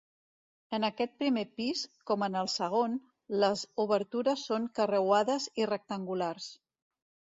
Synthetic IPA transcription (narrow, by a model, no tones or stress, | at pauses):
ənəkɛt̪̚pɾimepiskɔmənəlˠsəɣ̞on | ləzuβəɾt̪uɾəsːoŋkərəwaðəzirək̚t̪əŋɡulars